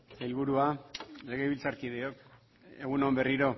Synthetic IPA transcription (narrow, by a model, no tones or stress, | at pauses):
ilβuɾualeɣejβilt͡saɾkiðeok | e̞ɣ̞unombe̞riɾo̞